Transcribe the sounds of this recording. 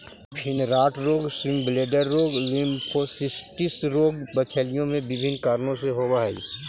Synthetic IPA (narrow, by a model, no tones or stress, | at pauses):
pʰɪnɾaːʈɾoːɡsɾɪ̃mbleːɖəɾːoːɡlɪ̃mpʰosɪsʈɪsɾoːɡbɐkʰeːlijõmẽbɪbʱɪnkaːɾnõseɦoːbaːḭː